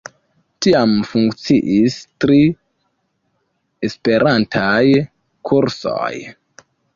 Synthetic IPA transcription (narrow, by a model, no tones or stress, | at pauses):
tiamfuŋkt͡siʔistɾi | e̞spe̞ɾʔantʰaj | kʰuɾso̰j